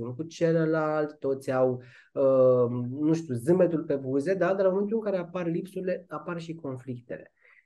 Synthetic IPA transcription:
unkut͡ʃe̞ləlalt̪ʲt̪o̞t̪sʲaw | ə | nuʃt̪uzɨmbe̞t̪ulpe̞buze̞d̪ad̪ɾaoment̪ulɨŋkaɾe̞aparlipsuɾile̞aparʃiko̞nflikt̪e̞̰le̞̰

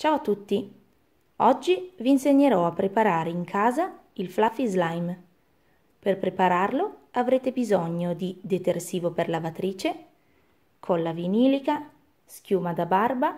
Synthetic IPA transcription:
t͡ʃaːoat̪ːut̪ːi | ɔd͡ʒːiviːnseɲːeɾɔapːɾepaɾaːɾeiŋkʰaːza | ilflafizlajm | perpɾepaɾarloavɾeːt̪ebizɔɲːod̪id̪et̪ersiːvoperlavat̪ɾiːt͡ʃe | kʰɔlːaviniːlika | skjuːmad̪abarba

